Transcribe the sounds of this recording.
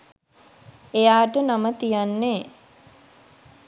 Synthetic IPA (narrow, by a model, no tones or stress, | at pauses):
ejaːʈənamət̪ijanːe